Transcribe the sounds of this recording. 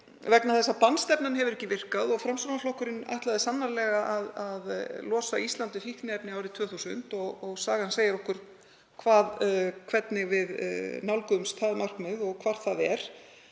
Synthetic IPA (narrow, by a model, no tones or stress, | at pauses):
vɛknaθɛsːapanst̪ɛpnanhɛvʏɾɛhcːɪvɪr̥kaðɔɣfɾamsɾonaflɔhkʏɾɪna̰jht̪laðɪsanːaɾlɛɣaʔaðaðlɔːsaist̪lant̪ɪfihknɪɛpnɪawɾɪt̪ʰv̥œːθusn̥t̪ɔɣɔɣsaːɣanseːjɪɾɔhkʏɾ̥ | kʰvaːðkʰvɛt̪nɪɣvɪðnawlkʏmst̪ʰaːðmar̥kmɪðɔɣkʰvaɾ̥θaðɛɾ̥